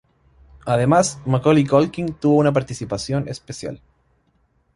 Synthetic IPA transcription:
aðemasmakolikolkiŋt̪uβounap̬aɾt̪isipasjonespesja̰l

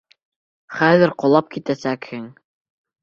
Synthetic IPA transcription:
χæðɘɾqŏlˠɑp̚kit̪æsækhɘŋ

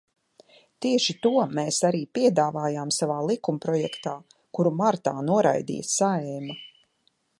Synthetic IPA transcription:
t̪iɛʃit̪uɔmeːsaɾiːpiɛd̪aːvaːjaːmsavaːlˠikumpɾɔjɛkt̪aː | kuɾumaɾt̪aːnuɔɾa̰jd̪ḭːjɐssaɛːma

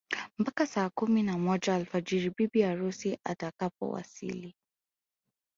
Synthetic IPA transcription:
m̩pakasaːkuminamɔd͡ʒaːlfad͡ʒiɾibibiaɾusiʔa̰takapɔ̰wa̰sḭli

